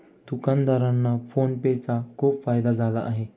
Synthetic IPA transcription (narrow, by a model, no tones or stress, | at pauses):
t̪ukand̪aɾanːafonpet͡sakʰuːpfajd̪ad͡zʱalaʔːɦe